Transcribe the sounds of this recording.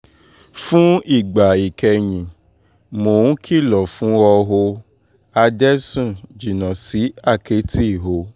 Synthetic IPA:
fũ˦i˦˨ɡ͡ba˨i˨kʰɛ˧ɲĩ˨ | mo˨ũ˨˦kʰi˦˨lɔ˨fũ˨˦ɔ˧ɦo˧ | a˧dɛ˦sũ˦˨d͡ʒi˨nã˨si˨˦a˦˨ke˨˦tʰi˦˨ɦo˨˧˦

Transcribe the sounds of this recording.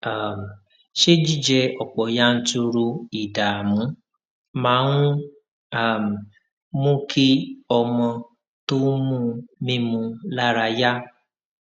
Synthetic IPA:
a˨m̩˨ | ʃe˦d͡ʒi˦d͡ʒɛ˧ɔ˨k͡pɔ˨ja˦n̩˦tu˧ɾu˧i˨da˨mũ˨˦ | mã˨˦ŋũ˦ | a˨m̩˨ | mũ˦kʰi˦ɔ˧mɔ̃˧ | tu˦mũ˦mĩ˦mũ˧la˦ɾa˧ja˦

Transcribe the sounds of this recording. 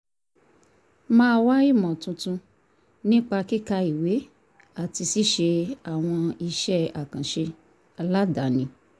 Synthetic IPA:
mãː˦wa˦i˦˨mɔ̃˨tũ˧tũ˧ | nĩ˦k͡pa˧ki˦ka˧i˨we˨˦ | a˦˨ti˧si˦ʃe˧a˨w̃ɔ̃˧i˧ʃɛ˦a˨kã˨ʃe˧ | la˦da˨˦nĩ˧

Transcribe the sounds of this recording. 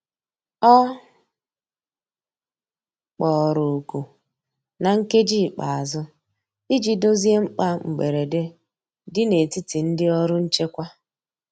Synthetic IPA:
ɔ˦ | k͡pɔ˨ɾʊ˨ku˨ | na˨ŋ̩˦ke˦d͡ʒiː˦˨k͡pa˨a˨zʊ˦ | i˦d͡ʒi˨do˦zi˦e˦ŋ͡m̩˦k͡pa˦ŋ͡m̩˨ɡ͡be˨ɾe˨de˦ | dɪ˦ne˨ti˦ti˨n̩˦dɪ˦ɔ˦ɾʊ˦n̩˦t͡ʃe˦kʷa˦

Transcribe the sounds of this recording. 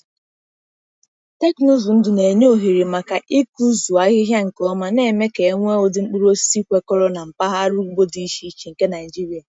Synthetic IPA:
te˦knʊ˦zʊ˨n̩˦dʊ˨ne˨ɲ˦o˨ɦi˨ɾi˨ma˨ka˨ʔi˦ku˦zu˨a˨˦ɣɪ˦ɦja˦ŋ̩˨kɔ˦ma˨ne˨me˦ke˨˦ŋʷe˦o˨dɪ˨ŋ͡m̩˦k͡pu˦ɾo˦si˦kʷe˨kɔ˦ɾɔ˦na˨m̩˨pa˦ɦa˦ɾʊ˦ɡ͡bo˦di˨i˦ʃi˨˦t͡ʃi˨ŋ̩˨ke˦na˨ɪ˨d͡ʒi˦ɾi˨a˨

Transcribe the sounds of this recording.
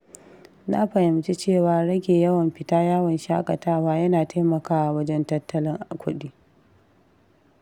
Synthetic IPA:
na̰˦ɸɐ˨hɪ˨mt͡ʃi˦t͡ʃeː˦˨waː˨˦ɽɐ˦ɡʲeː˨jɐ˦wɐ˨mɸɪ˨taː˦jaː˦wɐ˨nʃaː˦kʼɐ˨taː˦waː˦jɐ˦naː˨taː˦mɐ˨kaː˦ʔa˨wɐ˦d͡ʒɛ˦ntɐ˦tʰːɐ˦lɪ˦ŋʔa˨kʷʰʊ̰˦ɗiː˦

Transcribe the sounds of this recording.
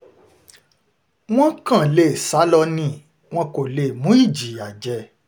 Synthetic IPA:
w̃ɔ̃˦kã˦˨le˨sa˨˦lɔ˧nĩ˦˨ | w̃ɔ̃˧˦ko˨le˧˨mũ˨˦i˦˨d͡ʒi˨˦a˨d͡ʒɛ˧˨

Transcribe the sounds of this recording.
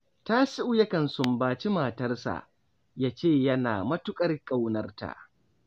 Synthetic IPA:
taː˦sɪ˦ʔu˦jɐ˦kɐ˨nsʊ˨mbaː˨t͡ʃi˦maː˨tɐ˦rsa̰˨ʔ | jaː˦t͡ʃeː˦˨jɐ˦naː˨mɐ˦tʊ˦kʼɐ˦rkʼa˦wnɐ˦rta̰˨ʔ

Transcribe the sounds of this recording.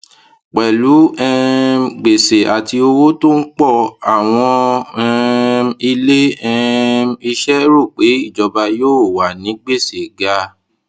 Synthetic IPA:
k͡pɛ˨lu˨˦ɛ˦˧ɡ͡be˨se˨ʔa˨ti˧o˧wo˦to˦n̩˦k͡pɔ˦˨a˨w̃ɔ̃˧ɛ˧i˧le˦ɛ˧i˧ʃɛ˦ɾo˦˨k͡pe˨˦i˦˨d͡ʒɔ˧ba˧joː˦˨wa˨nĩ˨˦ɡ͡be˦˨se˨ɡa˧

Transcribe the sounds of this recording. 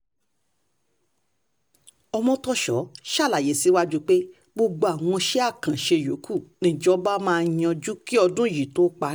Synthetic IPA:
ɔ˧mɔ̃˧tɔ˧ʃɔ˨˦ʃa˦˨la˨je˨˦˨si˨˦wa˦d͡ʒu˦k͡pe˦ | ɡ͡bo˧ɡ͡bo˧a˨w̃ɔ̃˧ʃe˦a˦˨kã˨ʃe˧jo˨˦kʰu˦˨nĩ˨˦˨d͡ʒɔ˨˦ba˦mãː˦˧j̃ɔ̃˧d͡ʒu˦ki˦ɔ˧dũ˦˨ji˨to˦k͡pa˧

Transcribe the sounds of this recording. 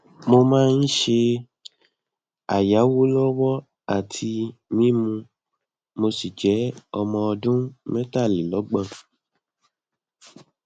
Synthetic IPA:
mo˧mãː˦˧n̩˦ʃe˧ | a˨ja˨˦wo˦lɔ˦wɔ˦ | a˦˨tʰi˧mĩ˦mũ˧ | mo˧si˨d͡ʒɛ˨˦ɔ˧mɔ̃˧ɔ˧dũ˦mẽ˦ta˦˨li˨lɔ˨˦ɡ͡bã˦˨

